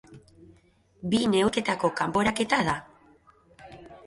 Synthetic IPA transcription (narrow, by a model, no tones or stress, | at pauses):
bine̞wke̞t̪ako̞kampo̞ɾake̞t̪aða